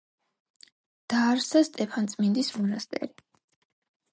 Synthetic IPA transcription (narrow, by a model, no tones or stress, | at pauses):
d̪̥aːɾsast̪ʼɛpʰant̪sʼmind̪ismɔnast̪ʼɛ̰ɾi